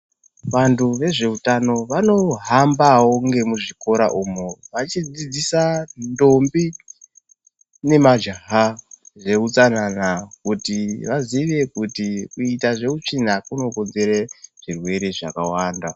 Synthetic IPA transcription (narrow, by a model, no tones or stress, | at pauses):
ʋantʰuʋe̞ʐe̞utano̞ʋano̞ɦambawo̞ŋɡe̞muʐiko̞ɾa̰ʔumuʋat͡ʃid͡zid͡zisando̞mbi | ne̞mad͡ʒaɦaʐe̞ut͡sananakutiʋaziʋe̞kutikuitaʐe̞ut͡ʂinakuno̞ko̞nze̞ɾeʐ̥irwe̞ɾe̞ʐakawaːnda